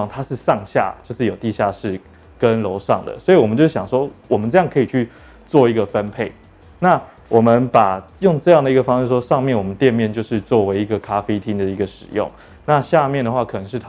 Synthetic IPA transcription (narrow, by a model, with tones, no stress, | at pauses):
ŋt̪ʰa˥ʂɻ̩˥˧ʂɑ˥˧ŋɕja̰˥˩t͡ɕjo˥˧ʊʂɻ̩˥˩jo˨˩ʊt̪i˥˧ɕja˥˧ʂɻ̩˥˩ | kə˦nlo˧˥ʊʂɑ˥˩ŋd̪ə̰˩swɔ˧˥i˨˩wɔ˨˩mə˦t͡ɕo˥˧ʊ˥˩ɕɑ˨˩ŋʂwɔ˥wɔ˨mə˦nʈ͡ʂɤ˥˧jɑ˥˩ŋkʰɤ˧˥i˨˩t͡ɕʰy˥˧ | t͡swɔ˥˩i˧˥ɡə˨fə˦npʰe˥˩ɪ | na˥˩ | wʔɔ˨˩mə˦npa˨˩jʊ˥˧ŋʈ͡ʂɤ˥˧jɑ˥˩ŋd̪ə˩i˧˥ɡə˧˩fɑ˥ŋʂ̩˥˧˥ʂwɔ˥ʂɑ˥˧ŋmjɛ˥˩nwɔ˨˩mə˦nt̪jɛ˥˧nmjɛ˥˧nt͡ɕjo˥˧ʊʂɻ̩˥˧t͡swɔ˥˩we˧˥ɪi˧˥ɡə˨kʰa˦fe˥ɪt̪ʰi˥ŋd̪ə˨i˦˥ɡə˧ʂɻ̩˨˩jʊ̰˥˩ŋ | na˥˧ɕja˥˧mjɛ˥˩nd̪ə˩xwa˥˩kʰɤ˨˩nɤ˧˥ŋʂɻ̩˥˩t̪ʰ